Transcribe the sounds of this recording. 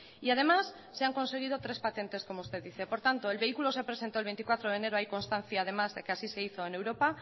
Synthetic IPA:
iað̞e̞masːe̞aŋkõ̞nse̞ɣ̞iðo̞t̪ɾe̞spat̪e̞nt̪e̞sko̞moust̪e̞ððiθe̞po̞ɾt̪ant̪o̞e̞lβe̞ikulo̞se̞pɾe̞sent̪olβent̪ikwat̪ɾoð̞ene̞ɾoajko̞nst̪anθjaːð̞e̞mazðe̞keasise̞iθo̞ene̞wɾo̞pa

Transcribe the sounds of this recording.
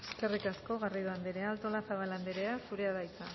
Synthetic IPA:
e̞ske̞rikasko̞ɣariðoand̪eɾealt̪o̞laθaβaland̪eɾeasuɾe̞aðajt͡s̪a

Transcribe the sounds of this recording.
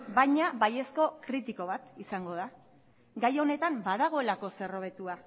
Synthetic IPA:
bajɲaβaje̞sko̞kɾit̪iko̞β̞at̪isaŋɡo̞ð̞a | ɡajo̞ne̞t̪ambaðaɣ̞o̞e̞lako̞se̞ro̞βe̞t̪ua

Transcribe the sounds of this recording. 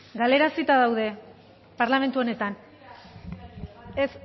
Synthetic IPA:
ɡale̞ɾasit̪aðawðe̞ | paɾlame̞nt̪uo̞ne̞t̪an | es

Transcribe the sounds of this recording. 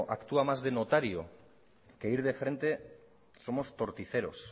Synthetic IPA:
ʔakt̪uamazðenot̪aɾjo̰ | ke̞iɾð̞e̞fɾẽ̞nt̪e̞ | so̞mo̞st̪o̞ɾt̪iθe̞ɾo̞s

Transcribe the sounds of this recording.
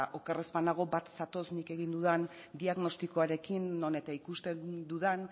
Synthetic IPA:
ʔo̞karespanaɣ̞o̞bat̪sat̪o̞snike̞ɣind̪uðan | d̪iaɣno̞st̪iko̞aɾe̞kinːo̞ne̞t̪aikust̪e̞d̪uðan

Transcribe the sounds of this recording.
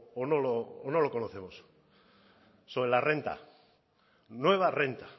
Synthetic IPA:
onoloːno̞lo̞konoθe̞mos | soβelare̞nt̪a̰ | nwe̞β̞are̞nt̪a

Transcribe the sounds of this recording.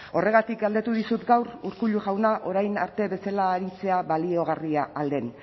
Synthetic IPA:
o̞re̞ɣ̞at̪ikɡald̪e̞t̪uðisut̪ɡawɾuɾkuʎuʝawnaʔo̞ɾajna̰ɾt̪e̞βe̞salaːɾit͡se̞aβalio̞ɣ̞ariaʔːld̪e̞n

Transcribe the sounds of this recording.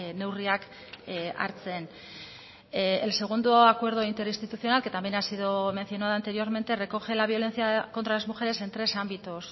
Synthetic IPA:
ne̞wriak | a̰ɾt͡se̞n | else̞ɣ̞und̪oakwe̞ɾð̞oint̪e̞ɾist̪it̪uθio̞nalke̞t̪ambjenasiðome̞nθjo̞naðaːnt̪e̞ɾio̞ɾme̞nt̪e̞re̞ko̞xe̞laβjo̞le̞nθiako̞nt̪ɾaðezmuxe̞ɾe̞se̞nt̪ɾe̞sambit̪os

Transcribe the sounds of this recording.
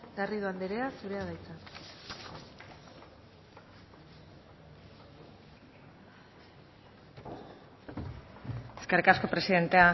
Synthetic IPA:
ɡariðuand̪eɾeasuɾe̞aðajt͡sa | eskerikasko̞pɾe̞siðe̞nt̪e̞a

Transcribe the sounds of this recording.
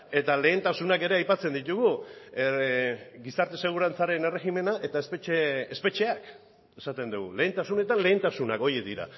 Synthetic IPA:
e̞t̪ale̞ːnt̪asunake̞ɾe̞ajpat͡se̞nd̪it̪uɣ̞u | ɡisaɾt̪e̞se̞ɣ̞uɾant͡saɾe̞ne̞re̞xime̞naʔe̞t̪aeseeespe̞t͡ʃe̞ak | e̞sat̪e̞nd̪uɣṵle̞ːnt̪asune̞t̪anle̞ːnt̪asunako̞jed̪iɾa̰

